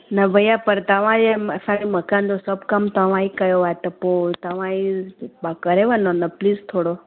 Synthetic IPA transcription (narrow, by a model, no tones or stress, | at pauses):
nɐbəjapəɾt̪əʋ̤ãd͡ʒeəsãnimɐkand͡ʒ̪osəbkəmt̪ɐʋ̤ãikəjoaet̪ɐpot̪ɐʋ̤ãibakəɾeʋanonɐpliːst̪ʰoːɽo